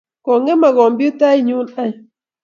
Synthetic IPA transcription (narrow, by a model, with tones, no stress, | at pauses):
kɔ˨ŋe˦ma˨ɣɔ˨mbju˦ta˦i˦ɲu˦na˦j